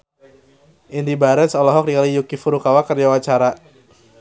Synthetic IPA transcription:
ʔindibaɾɛt̪sɔlɔɦɔk̚dikalijukifuɾukawakərd͡ʒawat͡ʃaɾa

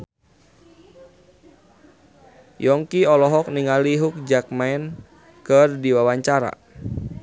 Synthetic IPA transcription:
jɔŋkiɔlɔɦɔk̚niŋaliɦuk̚d͡ʒak̚maɛn | kərdiwawaɲt͡ʃaɾa̰

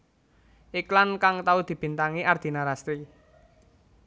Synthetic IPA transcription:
ʔiklankaŋt̪aud̪̥i̤b̥i̤nt̪aŋiʔard̪̥i̤naɾast̪ɾi

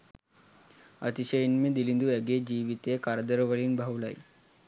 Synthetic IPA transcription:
ət̪iɕəjinmiːd̪ilind̪uɛɡed͡ʑiʋit̪ekaɾd̪əɾʋəɭiːnbʱawlaj

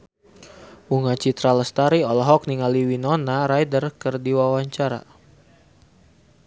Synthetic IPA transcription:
uŋat͡ʃit̪ɾaləst̪aɾiɔlɔɦɔk̚niŋaliwinɔnaɾajdərkərdiwawaɲt͡ʃaɾa̰

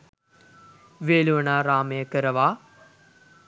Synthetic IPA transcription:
ʋeːluʋənaːɾaːmeːkəɾəʋaː

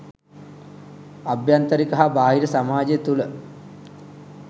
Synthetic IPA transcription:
abjant̪əɾikɐɦabaːɦiɾəsamaːd͡ʒet̪ulə

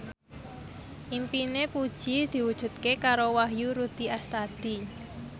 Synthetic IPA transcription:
ʔimpinepud̥ʒ̥id̪̥i̤wud̥ʒ̥ṳt̪̚kekaɾowaɦjuɾud̪̥iast̪ad̪̥i

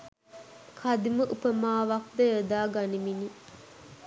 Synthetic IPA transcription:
kʰad̪iməʔupəmaːʋɐk̚d̪əəd̪aːɡanimini

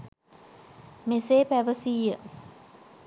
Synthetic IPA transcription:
meseːpæʋəsiːjə

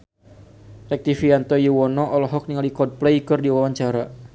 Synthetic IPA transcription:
rɛk̚t̪ifiant̪ɔjuwɔnɔʔɔlɔɦɔk̚niŋalikɔd̚plɛikɔrdiwawaɲt͡ʃaɾa

